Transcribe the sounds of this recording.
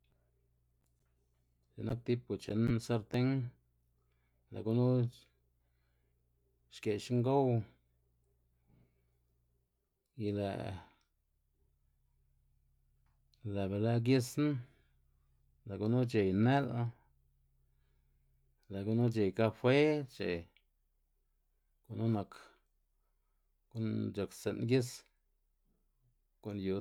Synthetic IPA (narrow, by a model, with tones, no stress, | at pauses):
d͡ʒe˨na˦k̚t̪i˦p̚u˨t͡ʃe˨nsa˧ɾt̪e˦ŋ | la̰˨ɡu˦nu˦ | ʃke˨ʃŋɡo˦w | i˧lḛ˨ | le˨be˨la˦ɡ̬ji˦sna˦ | le˨ɡu˧nu˦t͡ʃe˨jne˦la˦ | le˨ɡu˦nu˦t͡ʃe˨jka˦fwe˦t͡ʃḛ˨ | ko˨nu˦na˨k | ko˦nd͡ʒa˨kse˨nɡji˦s | ko˨nju˨